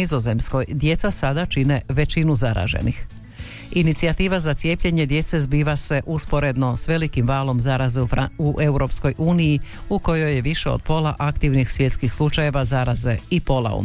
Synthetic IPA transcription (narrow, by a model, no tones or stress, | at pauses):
izo̞ze̞msko̞jd̪je̞t̪sasad̪at͡ʃine̞ʋe̞t͡ɕinuzaɾa̰ʒḛnix | init̪siat̪iːʋazat̪sijeːpʎe̞ɲe̞d̪je̞t̪se̞zbiːʋase̞ʔuspo̞ɾe̞d̪no̞sʋe̞likimʋaːlˠo̞mzaɾazeufauʔe̞uɾo̞psko̞jʔuːnijiuko̞jo̞jeʋiʃeo̰d̪̥̚po̞lˠa̰ʔakt̪iʋnixsʋje̞t̪skixslˠut͡ʃaje̞ʋazaɾaze̞ipo̞la̰ṵ